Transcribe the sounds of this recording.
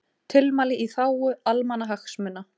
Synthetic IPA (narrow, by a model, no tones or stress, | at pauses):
t̪ʰɪlmaːlɪʔiθaːwʏalmanːaɦaxsmɛnːa